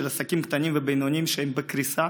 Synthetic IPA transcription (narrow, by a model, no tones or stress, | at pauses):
elasakimkt̪animvebejnonimʃeembekɾisa